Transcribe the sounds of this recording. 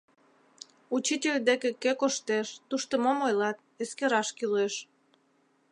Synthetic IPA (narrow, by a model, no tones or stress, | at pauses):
ut͡ɕitʲelʲd̪ekekekoʃt̪eʃt̪uʃt̪əmomojlɑt̪̚eskeɾɑʃkileʃ